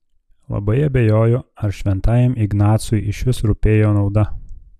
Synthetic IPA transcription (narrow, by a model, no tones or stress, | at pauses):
lˠɐ̰bɐɪɐbʲejoːjoɐɾʃʲʋʲɛnt̪ɑːjɛmɪɡnɑːt̪sʊjɪʃʲʋʲɪsɾʊpʲeːjoːnɒʊd̪ɐ